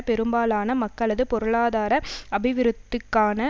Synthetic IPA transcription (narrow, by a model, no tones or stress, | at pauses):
pɛɾɯmbaːlaːnɐmɐkːɐlːɐðɯpɔɾɯɭaːðaːɾɐɐbɪʋɪɾɯt̪ːɯkːaːnɐ